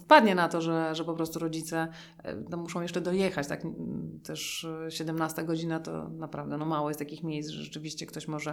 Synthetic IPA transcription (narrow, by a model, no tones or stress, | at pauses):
spad̪ɲɛnat̪ɔʐɛʐɛpɔpɾɔst̪uɾɔd͡ʑit̪sɛ̰ | t̪ɔmːuʂɔ̃w̃jɛʂt͡ʂɛd̪ɔjɛxat͡ɕt̪akt̪ɛʂɕɛd̪ɛmnast̪aɡɔd͡ʑinat̪ɔ̰napɾavd̪ɛnɔmawɔjɛst̪akʲixmʲjejsʐɛ̰ʐɛt͡ʂɨvʲiɕt͡ɕɛkt̪ɔɕmɔʐɛ